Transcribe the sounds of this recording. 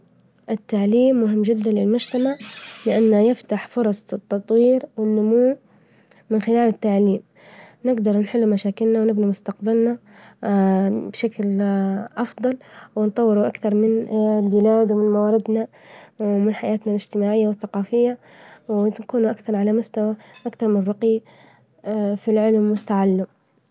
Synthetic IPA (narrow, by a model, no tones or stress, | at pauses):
ʔɪt̪ːaʕliːmːʊɦɪmːd͡ʒɪd̪ːanlɪlmʊd͡ʒt̪amaʕlɪʔanːajɪft̪aħfʊɾˤɑsˤt̪ːɑt̪ˤwiːɾwɪnːʊmuː | mɪnxɪlaːlɪt̪ːaʕliːm | nɪɡd̪ɑɾˤnħɪlːumaʃaːkɪlnawnɪbnimʊst̪aqbalna | bʃaklʔɑfd̪ˤɑlwɪnt̪ˤɑwːɪɾuʔakθɑɾˤmɪnlbɪlaːd̪wɪmɪnmawaːɾɪd̪na | wmɪnħajaːt̪nalɪd͡ʒt̪ɪmaːʕɪjːawɪθːaqɑːfɪjːa | wnkuːnuʔakθɑɾˤʕalamʊst̪awaʔakθɑɾˤmɪnrˤːɑqi | filʕɪlmwɪt̪ːaʕalːʊm